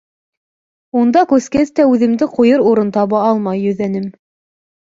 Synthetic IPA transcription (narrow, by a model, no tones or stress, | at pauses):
und̪ɑkʉskæst̪æʉðɘ̆md̪ɘqujɤɾuɾɤnt̪ɑβɑɑlˠmɑjːɵ̆ðænɘm